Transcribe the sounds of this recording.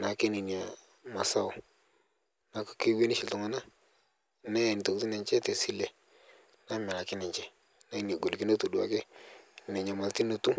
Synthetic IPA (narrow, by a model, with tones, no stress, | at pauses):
na˨˦ke˦ni˨ni˨a˨ | ma˨sa˦ʊ˨ | na˨˦kki˦we˦ni˦ʃi˨ltu˨ŋa˦na˦ | na˦jni˨to˨kti˦nɛ˨ɲt͡ʃɛ˦te˨si˦le˨ | na˦mɛ˨ɾa˨kɪ˦nɛ˨ɲt͡ʃɛ˦ | na˦i˦ni˨a˨ɡo˨lki˦no˦tu˨du˨a˨kɛ˦ni˨ne˨ɲ˨a˨ma˨lti˦no˨tu˦